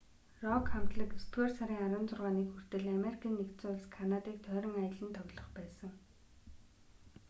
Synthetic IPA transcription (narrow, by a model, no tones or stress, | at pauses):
rɔkχam̥t̪ɮə̆kust̪wersaɾiːŋaɾwə̆ːnt͡sʊrʁaːniːkxur̥t̪ɘ̆ɮameɾikʰaːnːekt̪t͡sʊːʊɮskʰanat̪iːk̚t̪ʰœːɾɞ̆ŋajə̆ɮə̆nt̪ʰɔɣɮɞ̆χpæːsə̆ŋ